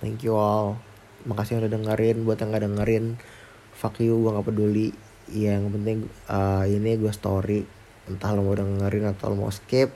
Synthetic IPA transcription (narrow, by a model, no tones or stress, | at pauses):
t̪ɛ̰ŋkjual | makasɪaŋudadəŋəɾɪnbuat̪jaŋɡadəŋəɾɪn | fakjuɡuaŋɡapəduli | jajaŋɡapənt̪̬ɪŋəiniɡuast̪oɾi | ənt̪ahləmawdəŋəŋəɾɪnat̪a̰wluma̰wskɪp̚